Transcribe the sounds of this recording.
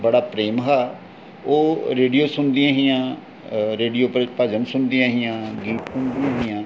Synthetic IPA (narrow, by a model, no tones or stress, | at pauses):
bəɽaːpɾeːmɦaː | oːɾeːɖijoːsʊnd̪ɪjãːɦɪjãː | ɾeːɖijoːpəd͡ʒənsʊnd̪ijãːɦɪjãːɡiːʈsʊnd̪iãːɦɪjãː